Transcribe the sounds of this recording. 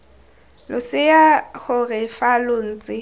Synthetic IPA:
lʊsɪjaɣʊrɪfalʊn̩ːt͡sʼɪ

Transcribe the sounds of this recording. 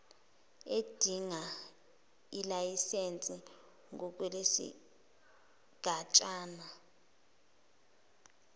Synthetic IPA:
ed̥ʱiŋa | ilajisent͡sʼi | ŋɔk̬ʼwɛlesḭ | ɡ̥ʱat͡ʃʼaːna

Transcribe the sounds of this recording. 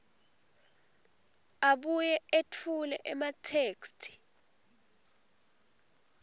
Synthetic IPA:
aɓujɛetʰulɛ̰ʔɛmatʰeːkstʰi̥

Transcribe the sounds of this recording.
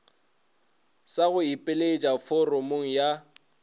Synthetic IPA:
saɣʊipʼɪlet͡ʃʼafɔromoŋ̩ja

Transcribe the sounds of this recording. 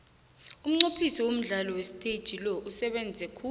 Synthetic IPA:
um̩ŋ͡ǀopʰisɔwom̩ɮalɔwesi̥tʼed̥ʒ̥ʱilɔʔusɛɓɛnd͡zʱɛkʰu

